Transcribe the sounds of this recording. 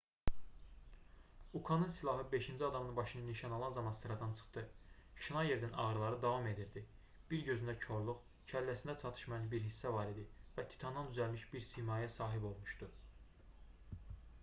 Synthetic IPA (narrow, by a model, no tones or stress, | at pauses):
ukʰɑnɯnsilˠɑɦɯbe̞ʃind͡ʒiɑd̪ɑmɯnbɑʃɯnɯniʃɑnolˠɑnzɑmɑnsɯɾɑd̪ɑnt͡ʃʰɯ̥χt̪ɯʃinɑje̞ɾd̪ænɑ̰ɣɾɯlˠɑɾɯd̪ɑvɑme̞d̪iɾd̪i | b̥iɾɟø̞zynd̪æcʰo̞ɾlˠuχ | cʰælːæsind̪æt͡ʃʰɑt̪ʰɯ̥ʃmɑjɑnbiɾɦisːævɑɾid̪ivæt̪ʰi̥t̪ʰɑnd̪ɑnd̪yzælmiʃbiɾsimɑːjæsɑːɦibo̞lˠmuʃt̪u